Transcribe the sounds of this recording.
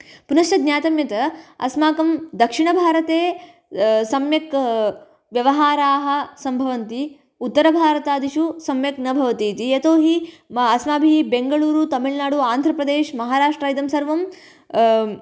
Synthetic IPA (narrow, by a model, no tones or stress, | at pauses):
punɐʃʈɐd̪njaːt̪ɐmjɐt̪ɐɐ̰smaːkɐmd̪ɐkʂiɳɐbʱaːɾɐt̪eː | sɐmjɐk | ʋjɐʋɐɦaːɾaːɦɐ̆sɐmbʱɐʋɐnt̪i | ut̪ːɐɾɐbʱaːɾɐt̪aːd̪iʃusɐmjɐknɐbʱɐʋɐt̪iːt̪iet̪oːɦi | ɐsmaːbʱiibeŋɡɐɭuːɾut̪ɐmiɭnaːɽuaːnd̪ʱɾɐpɾɐd̪eːʃmɐɦaːɾaːʂʈɾɐjt̪ɐmsɐɾʋɐm